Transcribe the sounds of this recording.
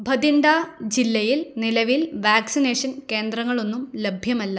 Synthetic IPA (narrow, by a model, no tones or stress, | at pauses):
bʱɐd̪iɳɖad͡ʑilːɐjilnilɐʋilʋaːksineːʂɐnke̞ːnd̪rɐŋːɐɭo̞nːumlebʱjɐmɐlːɐ